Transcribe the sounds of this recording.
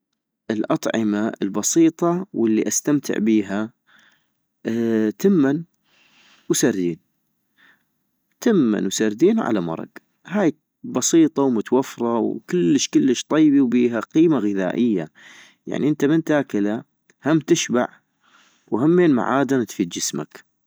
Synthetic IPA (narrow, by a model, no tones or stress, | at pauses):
ʔɪlʔɑt̪ˤʕɪmaɪ̰lbɑsiːt̪ˤɑwəlːiʔast̪amt̪ʰɪ̰ʕbiːɦa | t̪ɪmːan | wsaɾd̪iːn | t̪ɪmːa̰nwsaɾd̪iːnʕa̰lamɑ̰ɾˤɑ̰ɡ | haːj | bɑsiːt̪ˤɑwmʊt̪wafɾˤɑwkɪlːəʃkəlːəʃt̪ˤɑjbiwbiːɦaqiːmaɣɪða̰ːʔɪjːa | ja̰ʕniʔɪnt̪amɪnt̪aːkɪla | hamt̪ɪʃba̰ʕ | wɦamːeːnma̰ʕaːd̪ant̪fiːd̪̚d͡ʒɪsma̰k